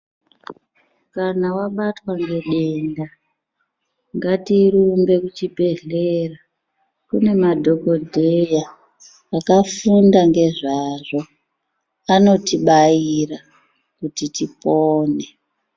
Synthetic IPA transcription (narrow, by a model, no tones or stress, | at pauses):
kanawaɓatwaŋɡe̞ɗenda | ŋɡatirumbe̞kut͡ʃibʱe̞ɮera | kune̞madʱo̞ko̞dʱejaː | kafundaŋɡe̞ʐaʐo̞ | ano̞tiɓajira | kutitipoːne